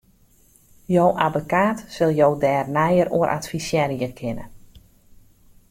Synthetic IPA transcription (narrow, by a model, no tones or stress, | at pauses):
jowʔabokaːtsɪlˠjowdɛːrnɛjəɾuəɾʔa̰tfisjɛɾiəkʰɪnə̰n